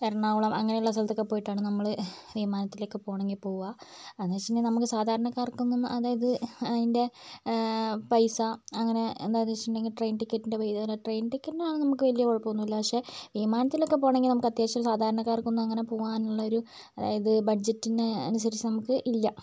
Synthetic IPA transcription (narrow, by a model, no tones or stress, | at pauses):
eɾɐɳaːʋuɭɐmɐŋːɐnejuɭːɐs̬ɐlt̪ːokːepːoːjiʈːaːɳɨnɐmːɐɭʋimaːnɐt̪ːilokːe̞po̞ːɳeŋɡilpo̞ːɣuʋaɐðat͡ɕːindenɐmukːɨsaːd̪ʱaːɾɐɳɐkːaːrkːunːɐɐðaːjɐðɨɐðinde̞ | pɐjsɐːŋːɐne̞ḛnd̪aːnet͡ɕːinɖeŋɡilʈrejnʈikːetːinde̞ʋɐjd̪ɐlːɐʈrejnʈikʲːɐnːeaːɳɨnɐmukːɨʋɐlijɐʋoɭpːoːunːuʋilːɐpɐkʂe̞ʋimaːnɐt̪ːilo̞kːe̞poːɳeŋɡilnɐmukːɐt̪jaːt͡ɕːɐsaːd̪ʱaːɾɐɳɐkːaːrkːunːɐɐŋːɐne̞po̞ːɣaːnuɭːɐo̞ɾu | ɐða̰ːjɐðɨbɐɖd͡ʑetːineɐ̰nus̬ɐɾit͡ɕːɐnɐmukːɨʔilːɐ